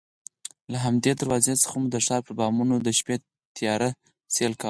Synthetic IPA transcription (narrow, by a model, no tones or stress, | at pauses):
laɦamd̪ed̪aɾwɑzesə̥xamud̪əʂɑɾpəɾbɑmunod̪əʃpe | t̪jɑɾa | selkaw